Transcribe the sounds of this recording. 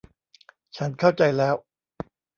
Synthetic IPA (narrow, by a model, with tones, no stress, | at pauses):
t͡ɕʰa˦˥nkʰa˥˩wt͡ɕa˧jlɛː˦˥w